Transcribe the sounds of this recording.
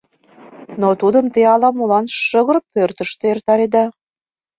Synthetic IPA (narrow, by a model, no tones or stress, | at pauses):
not̪ud̪ə̆mt̪eɑlɑmulɑnʃʃəɣə̆ɾpørt̪əʃt̪eert̪ɑɾed̪ɑ